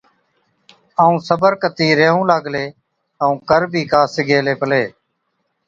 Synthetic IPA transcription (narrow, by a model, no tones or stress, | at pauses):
əũːsəbəɾkət̪iːɾeːɦũːlaːɡleː | əũːkəɾbʱiːkaːsɪɡeːleːpəleː